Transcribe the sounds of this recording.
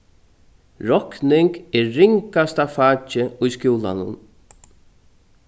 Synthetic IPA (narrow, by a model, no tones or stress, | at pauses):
ɾɔknɪŋkɛɾːɪŋkast̪afaːt͡ʃɪʊjskjuːla̰nʊ̰n